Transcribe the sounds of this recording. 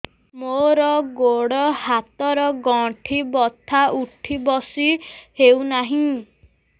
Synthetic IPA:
moɾɔɡoɽɔhat̪ɔɾɔɡɔ̃ʈʰibɔt̪ʰaʔuʈʰibɔsihewnaɦĩ

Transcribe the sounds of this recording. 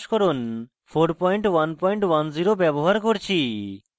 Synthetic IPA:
ʃkɔɾun | pʰoɾpɔjɳʈwanpɔjɳʈwanziɾobɛboɦaɾkoɾt͡ɕʰi

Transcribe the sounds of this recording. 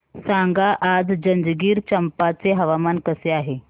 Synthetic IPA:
sãŋɡaʔad͡zd͡ʑənd͡zɡiːɾt͡ɕəmpat͡seɦəʋamankəseaɦe

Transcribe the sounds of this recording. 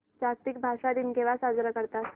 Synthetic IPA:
d͡ʑast̪ikbʱaʂad̪iːnɡeʋasad͡zɾəkəɾt̪at̪

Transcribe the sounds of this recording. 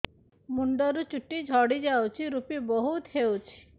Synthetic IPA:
muɳɖɔɾut͡ʃuʈid͡ʒʱɔɽid͡ʒawt͡ʃʰiɾupibɔɦut̪ɦewt͡ʃʰi̥

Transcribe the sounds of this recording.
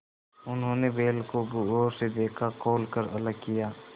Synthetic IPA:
ʊnɦõːnebeːlkoɡuoːɾsed̪eːkʰakoːlkəɾɐləɡ̚kijaː

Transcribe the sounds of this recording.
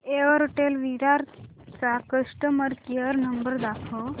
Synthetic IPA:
eʋəɾoʈelʋiɾaɾ | t͡sakəʂʈəməɾkeəɾnəmbəɾd̪akʰɔ

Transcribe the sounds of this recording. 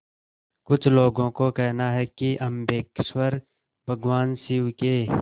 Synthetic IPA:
kʊt͡ʃʰloːɡõkokɛɦnaɦɛkiʔɐmbeːkswəɾ | bʱɐɡwaːnsiukeː

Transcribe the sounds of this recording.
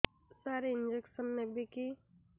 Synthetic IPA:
saɾeind͡ʒeksənːebiki

